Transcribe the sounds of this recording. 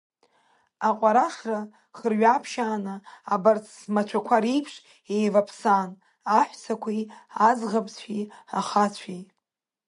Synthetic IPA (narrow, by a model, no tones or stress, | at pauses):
aqʷʼaɾaʂra | χərɥapʰʃaːnaːbart͡sʰzmat͡ʃʷʰakʷʰaɾijpʰʂ | ejvapʰsan | aħʷsʰakʷʰiazʁapsʷʰiaχat͡ɕʷʰi